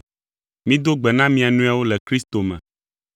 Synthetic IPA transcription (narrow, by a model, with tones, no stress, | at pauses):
mĩ˦d̪o˦ɡ͡bɛ˨nã˦mĩ˦a˨nũ˦a˦wo˦lɛ˨kɾi˦st̪o˨mɛ̰̃˨